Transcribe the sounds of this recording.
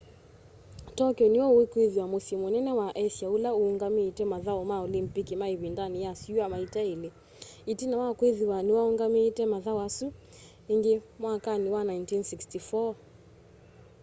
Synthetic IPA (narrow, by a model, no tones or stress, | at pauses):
tɔkjɔniwɔwekweðiwamusimwɛnɛnɛwaʔɛsjaulauːŋɡamiːtɛmaðaɔmaɔlimpikimaiβindanijasuamaitaili | itinawakweðiwaniwauŋɡamitɛmaðawasu | iŋɡimwakaniwanajntinsikstifɔ